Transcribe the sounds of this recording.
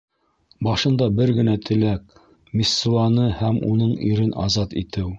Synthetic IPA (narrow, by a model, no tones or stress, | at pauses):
bɑʃɤ̆nd̪ɑbɘɾɡɘ̆næt̪ʰɘ̆læk̚ | misːulˠɑnɤhæmunɤɴiɾɘnʔɑ̰zɑt̪ḭt̪ɘw